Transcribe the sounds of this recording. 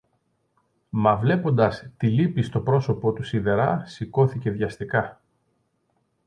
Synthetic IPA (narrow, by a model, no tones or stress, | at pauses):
mɐvle̞po̞nd̪ɐst̪ilipist̪o̞pɾo̞so̞po̞t̪usiðe̞ɾɐsiko̞θice̞ðʝɐst̪ikɐ